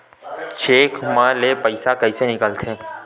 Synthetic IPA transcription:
t͡ʃeːkmãlepɐɪsakɐisenɪkəlt̪ʰẽː

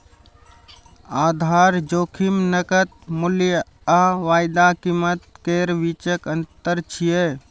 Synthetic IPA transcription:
ad̪ʱaɾd͡ʒoːkʰimnəkət̪̚muljə | aʋaːjd̪akimət̪̚keɾʋit͡ʃəkənt̪əɾt͡ʃʰije

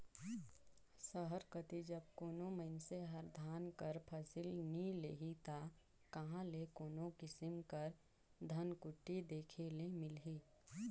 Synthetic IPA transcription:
səɦəɾkət̪id͡ʒəb̚koːnoməɪnseɦəɾd̪ʱaːnkəɾpʰɐsɪlnileːɦit̪a | kɐɦãlekoːnõkɪsɪmkəɾ | d̪ʱənkʊʈːid̪eːkʰelemɪlɦiː

